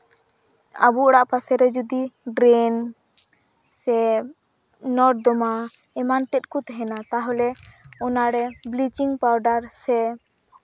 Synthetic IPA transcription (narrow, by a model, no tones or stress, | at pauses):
a̰buɔɽaʔpasɛɾɛd͡ʒɔd̪iɖɾɛn | sɛ | nɔɾʈ̚d̪ɔma | ɛmant̪ɛt̪̚kut̪ɛɦɛnat̪aɦɔlɛɔnaɾɛblit͡ʃiŋpawɖaɾsɛ